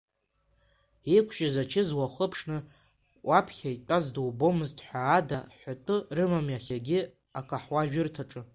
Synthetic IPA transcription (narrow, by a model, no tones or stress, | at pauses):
ekʷʰʃazat͡ʃʰɪzwaχəpʰʂnɨ | wʔapʰχʲaitʷʼazdowbomɨztʼħʷaːdaħʷᶣatʼʊrɨmamjaχʲaɡʲɪ | akʷʼaħwaʒᶣʊrtʰaʈ͡ʂʼɨ